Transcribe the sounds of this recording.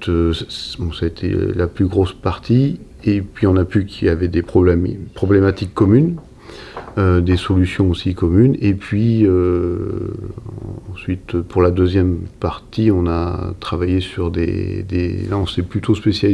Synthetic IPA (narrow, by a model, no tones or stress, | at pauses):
t̪øbɔ̃saet̪ʰɛ̰laplyɡʁospaʁt̪i | epɥiɔ̃napykʲʰiljavɛd̪epχɔblɛmpχɔblɛmat̪ikːɔmyn | ød̪esɔlysjɔ̃osikɔmynepɥiø | sɥit̪øpuʁlad̪øzjɛmpaʁt̪iɔ̃na̰t̪χavajesyʁd̪ḛd̪ḛlaɔ̃sɛplyt̪ʰospesja